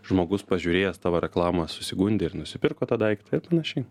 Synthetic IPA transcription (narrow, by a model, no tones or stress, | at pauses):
ʒmoːɡʊspɐʒʲuːɾʲeːjɛst̪ɑːʋoːɾʲɛklˠɑːmɐsʊsʲɪɡuːnʲd̪ʲɪɪɾnʊsʲɪpʲɪɾkoːt̪ɐd̪ɐɪkʲɪ̥t̪ɪɾpɐnɐʃʲɛɪ